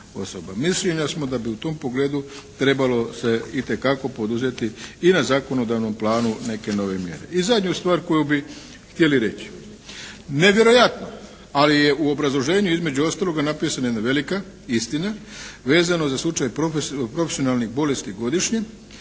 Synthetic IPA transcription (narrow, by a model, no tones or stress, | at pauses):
o̞̰sobamisleɲasmo̞d̪abiut̪o̞mpo̞ɡle̞ːd̪ut̪ɾe̞balo̞se̞it̪e̞kako̞po̞d̪uze̞t̪iinazaːko̞no̞d̪aʋno̞mplˠaːnune̞ke̞no̞ʋe̞mjḛɾe̞̰izad̪ɲust̪ʋaːɾko̞jubi | xt̪jeliɾe̞t͡ɕi̥ | ne̞ʋje̞ɾo̞jat̪no | alije̞ʔuo̞bɾazlˠo̞ʒe̞ːɲuizme̞d͡ʑuo̞st̪aːlˠo̞ɡanapiːsanajenaʋe̞lika | ist̪inaʋe̞ːzano̞zaslˠut͡ʃajpɾofepɾo̞fesio̞nalˠnixbo̞le̞st̪iɡo̞d̪iʃɲe̞